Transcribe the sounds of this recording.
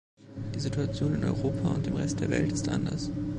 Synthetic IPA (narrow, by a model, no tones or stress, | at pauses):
d̥iːzituat͡sjoːnɪnɔ̰ʏʁoːpʰaʊ̰nt̚d̥eːmʁɛst̚d̥eːɐvɛ̰ltɪ̥stʔa̰ndɐ̰s